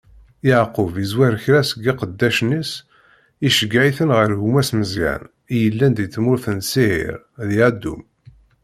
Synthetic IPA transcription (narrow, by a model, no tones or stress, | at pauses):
jaʕqʊvizwæɾçɾæsəɡiqəd̪ːæʃnis | iʃəɡʕiθənʁəɾʝumæsməzja̰n | ijəlːænd̪iθmʊɾθənsihḭɾ | ðjʕd̪ːṵm